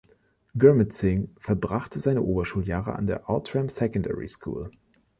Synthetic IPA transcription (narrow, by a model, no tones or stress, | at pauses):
ɡ̥œɐmətsɪŋfɛɐbʁaχtəzaɪnəʔoːbɐʃuːljaːʁə̰ʔa̰ndeːɐʔɔtʁ̥ɛmsɛkɔndɛ̰ʁḭskʰṵːl